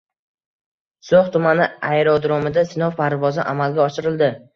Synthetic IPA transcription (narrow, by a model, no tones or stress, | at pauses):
soχt̪ʰʊmanɪajɾɒd̪ɾɒmɪd̪asɪnɒwpʰaɾvɒzɪ̰ʔamalɡʲaɒʃɪɾɪld̪ɪ